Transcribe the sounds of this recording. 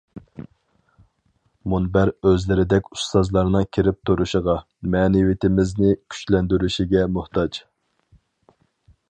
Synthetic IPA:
munbæɾøzlɪɾɪd̪ɛkʲu̥st̪ɑzlˠɑɾnɨŋkʲʰiɾɪp̚t̪ʰuɾuʃəʁɑ | mɛːnɪwit̪ʰɪmɪznɪkʲʰy̥t͡ʃlɛnd̪yɾyʃiɡʲɛmuht̪ʰɑt͡ʃ

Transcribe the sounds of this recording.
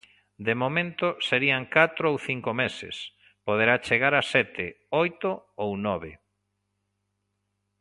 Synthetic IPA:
d̪emomẽnt̪ʊseɾiaŋkat̪ɾoowθiŋkomesɪ̰s | poðeɾat͡ʃeɣaɾasɛt̪ɪ | ojt̪oownɔβe

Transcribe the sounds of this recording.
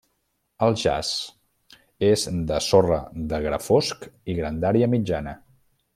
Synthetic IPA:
əlˠʒa̰z̥ | ezd̪əsorə̰ðəɣɾə̰foskiɣɾənd̪aɾiəmid͡ʒanə

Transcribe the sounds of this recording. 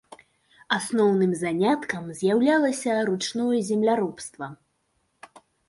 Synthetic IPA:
asnɔwnɨmzanʲat̪kɐmzʲjawlʲalˠɐsʲɐɾut͡ʂnɔjɐzʲɛmlʲaɾɔpst̪vɐ

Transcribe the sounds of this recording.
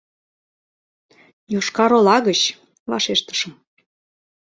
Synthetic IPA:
joʃkɑɾolɑɣət͡ɕ | vɑ̰ʃeʃt̪ə̥ʃəm

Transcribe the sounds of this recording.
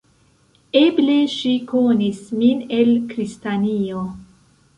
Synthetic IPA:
eble̞ʃikonismine̞lkɾistanio

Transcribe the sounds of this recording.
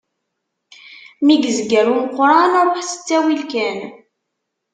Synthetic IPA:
miɡzɡəɾumqːɾˤɑnɾˤoħsə̥t͡sːæwilkæn

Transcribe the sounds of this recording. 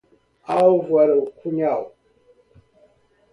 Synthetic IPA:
awvwaɾəwkuɲaw

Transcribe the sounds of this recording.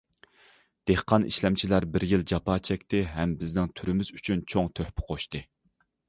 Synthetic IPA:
d̪̥ehqʰɑnḭʃlɛmt͡ʃʰilæɾbɪɾjilˠd͡ʒɑpʰɑːt͡ʃʰɛkʲt̪ɪɦɛmbɪznɪŋt̪ʰyɾɪmɪz̥yt͡ʃʰynt͡ʃʰoŋt̪ʰøhpʰɪ̥qʰoʃt̪ɨ

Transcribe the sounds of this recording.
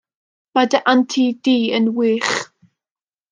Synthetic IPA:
madəʔantʰidiːənwiːχ

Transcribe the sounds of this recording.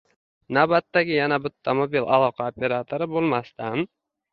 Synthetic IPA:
nabat̪ːaɡʲɪjanabʊt̪ʰːamobilʔa̰lˠɒqʰaopʲʰe̞ɾat̪ʰoɾɪbolˠmast̪an

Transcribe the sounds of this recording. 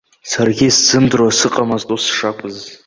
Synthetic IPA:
sarɡʲisz̥ɨmdrwasɨqʼamaztʼusʂakʷʼɨz

